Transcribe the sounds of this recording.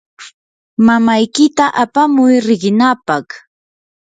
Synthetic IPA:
mamajkɪt̪aʔapamʊjɾɪɢɪnapɑχ

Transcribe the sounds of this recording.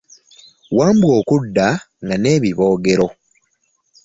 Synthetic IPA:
waːmbwo̞ːkudːa | ŋɡaneːβiβo̞ːɡe̞ɾo̞

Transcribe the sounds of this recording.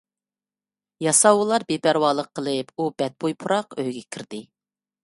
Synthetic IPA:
jɑsɑwulˠɑɾbepæɾwɑːlˠəqʰːəlˠɨpubɛt̪̚bojpʰuɾɑqøjɡʲɛkʲʰiɾd̪̥ɪ

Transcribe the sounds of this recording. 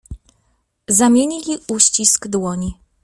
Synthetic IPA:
zamʲjeɲilʲiuɕt͡ɕisɡd̪wɔɲi

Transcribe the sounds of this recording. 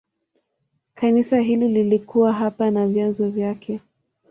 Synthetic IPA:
kanisaɦilililikuwaɦapanavjanzɔvjakʰɛ

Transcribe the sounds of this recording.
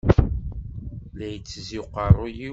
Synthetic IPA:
læjət͡sːziqɑrˤːoji

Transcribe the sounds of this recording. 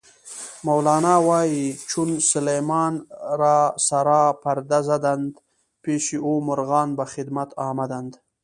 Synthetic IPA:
mawlɑːnɑwɑːjit͡ʃunsʊlejmɑːnɾɑsaɾɑːpaɾd̪azad̪and̪ | peʃiomʊɾɣɑːnbaxɪd̪mat̪ɑːmad̪and̪

